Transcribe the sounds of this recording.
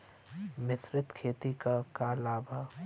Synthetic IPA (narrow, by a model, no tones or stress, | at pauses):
mɪsɾɪt̪kʰeːt̪ikakalaːba